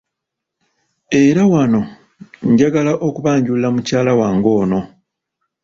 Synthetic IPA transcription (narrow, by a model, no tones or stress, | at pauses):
e̞ɾawano̞ | ɲɟaɡalaʔo̞kuβaːɲɟullːamucaːlawaːŋɡo̞ːno̞